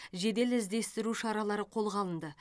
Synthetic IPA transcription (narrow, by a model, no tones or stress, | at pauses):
ʒe̞d̪e̞lɪzd̪e̞st̪ɪɾuʃɑɾɑlˠɑɾəqʰo̞lˠʁɑlˠənd̪ə